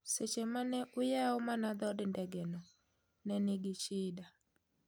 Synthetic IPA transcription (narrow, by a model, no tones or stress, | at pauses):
set͡ʃemanɛʔʊjaɔmanad̪ɔdndɛɡɛnɔ | nɛnɪɡɪt͡ʃɪda